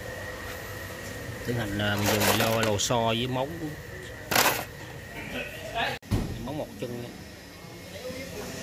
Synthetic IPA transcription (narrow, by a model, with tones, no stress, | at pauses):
t̪i˨˦ŋha˨˩nəː˨˩mɨ˨˩ŋzɨ˨˩˨lɔ˧lo˨˧˩sɔ˧zɨː˨˦ma˨˦wŋ͡m | ma˨˦wŋ͡mmo˨˩t̚t͡ɕɨ˧ŋa˧˦